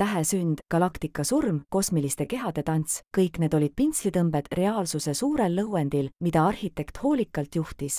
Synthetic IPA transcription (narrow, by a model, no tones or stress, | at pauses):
t̪æɦe̞synd̪̥ɡ̥ɑlɑkt̪ikːˑɑsurmko̞smilist̪e̞ke̞ɦɑd̪̥e̞t̪ɑnt̪skɤjkˑne̞ːd̪o̞lʲid̪̥̚pinslit̪ɤmbe̞d̪̥re̞ɑːlsuse̞suːɾe̞lːɤwe̞nd̪̥ilmid̪̥ɑɑrhit̪ːˑe̞kt̪ho̞ːlʲikːˑɑlt̪ˑjuht̪is